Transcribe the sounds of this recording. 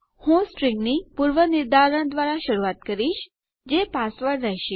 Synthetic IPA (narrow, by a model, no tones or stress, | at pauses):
hũsʈɾɪ̃ŋɡnipuɾʋənɪɾd̪aɾənd̪ʋaɾaʃəɾuat̪kəɾiʃ | d͡ʒepasʋəɾːɛɦʃi